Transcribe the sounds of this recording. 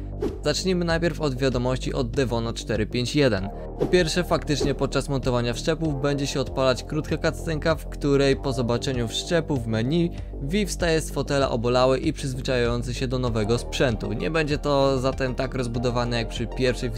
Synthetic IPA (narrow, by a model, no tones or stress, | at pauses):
z̥at͡ʂɲimɘnajpʲjɛɾfɔd̪vʲjad̪ɔmɔɕt͡ɕiʔɔd̪̚ːɛvɔnat͡ʂt̪ɛɾɘpʲjeɲt͡ɕjɛd̪ɛn | pɔpʲjɛɾfʂɛfakt̪ɘt͡ʂɲɛpɔt̪̚t͡ʂasmɔnt̪ɔvaɲafʂt͡ʂɛpuvbɛɲd͡ʑɛɕɛɔt̪palat͡ɕkɾut̪kakat̪st̪ɛŋkafkt̪uɾɛjpɔzɔbat͡ʂɛɲufʂt͡ʂɛpuvmɛɲi | vʲifst̪ajɛst̪fɔt̪ɛla̰ʔɔ̰bɔlawɛʔipʂɘzvɘt͡ʂajajɔnt̪sɘɕɛd̪ɔnɔvɛɡɔspʂɛnt̪ṵɲɛ̰bɛɲd͡ʑɛt̪ɔzat̪ɛmt̪akɾɔzbud̪ɔvanɛjak̚pʂɘpʲjɛɾfʂɛj